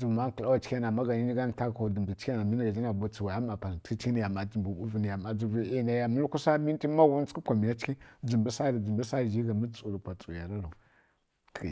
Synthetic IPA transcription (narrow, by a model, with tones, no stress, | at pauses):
d͡zu˨ma˦kla˦wa˨t͡ʃa˦na˨ma˦ɡa˨ni˦ni˦ɡa˦n˨ta˦ka˨du˨mbi˨t͡ʃa˦na˨mi˦n˦ɡa˨d͡ʒi˦na˨bu˨t͡si˨wa˨ja˦ma˨pa˨n˨tki˦t͡ʃki˦n˦˨ja˨ma˨d͡ʒi˨mbu˨ɓu˦vi˦ni˨ja˨ma˨d͡zu˦vi˦i˦na˦ja˦mi˦lku˦sa˦mi˦n˦ti˦ma˦wu˦n˦t͡ski˦pʷa˨mi˨ja˦t͡ʃki˦d͡zi˨mbi˦sa˦ɾi˨d͡zu˨mbə˦sa˦˨ʒi˦ɡa˨mi˦t͡su˨ɾu˨pʷa˨t͡sʼu˨ja˨ɾa˦ɾu˨